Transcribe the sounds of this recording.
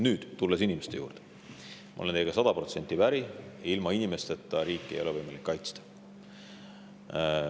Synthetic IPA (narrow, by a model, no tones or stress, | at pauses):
nyːd̪̥t̪ulːesinʲimest̪eṵːrd̪̥e̥ | mʔɑ̰ʔolent̪ejeɡ̥ɑsɑd̪̥ɑpro̞t̪se̞nʲt̪ːˑivæɾiilmɑinʲime̞st̪e̞t̪ːɑɾiːkːˑeejo̞levɤjmɑlikːɑjt̪st̪ɑ̥